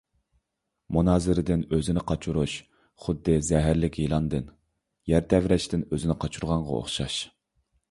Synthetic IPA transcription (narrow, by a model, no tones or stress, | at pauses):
munɑːzɪɾɪd̪ɪnøzɪnɪqʰɑt͡ʃʰuɾuʃ | χʊd̪ːɨzɛɦæɾlɪkʲjilˠɑnd̪ɨn | jæɾt̪ʰɛvɾɛʃt̪ɪnøzɪnɪqʰɑt͡ʃʰuɾʁɑɴʁɑ̰o̰χʃɑʃ